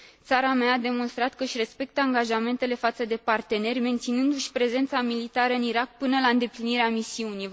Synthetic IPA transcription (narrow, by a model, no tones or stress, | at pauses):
t̪saɾameaːd̪e̞mo̞nst̪ɾat̪̚kəɨʃʲre̞spe̞k̚t̪əaŋɡaʒame̞nt̪e̞le̞fat̪səd̪e̞part̪e̞ne̞rʲme̞nt̪sinɨnd̪uʃʲpɾe̞ze̞nt̪samilit̪aɾəɨniɾak̚pɨnəlaɨnd̪e̞pliniɾeamisiunij